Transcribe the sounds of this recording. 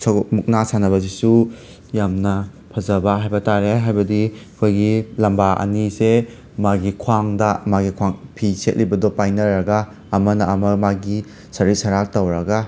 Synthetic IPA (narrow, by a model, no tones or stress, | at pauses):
sɐmuk̚nasanɐβɐzisu | jamnɐ | pʰɐzɐbɐɦajbɐtaɾeɦajbɐdikʰojɡilɐmbaʔɐ̰nise | maɡikʰwaŋdɐmaɡikʰwaŋpʰiset̚libɐdɔpajnɐɾɐɡaː | mɐnɐɐmɐmaɡi | sɐɾisɐɾak̚tɐwɾɐɡa